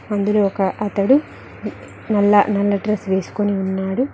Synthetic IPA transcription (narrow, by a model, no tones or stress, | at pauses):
ɐnd̪uloːɔkɐʔɐt̪ɐɽu | nɐlːɐ̰nɐlːɐɖɾɐsʋe̞ːsu̥koniunːaːɽu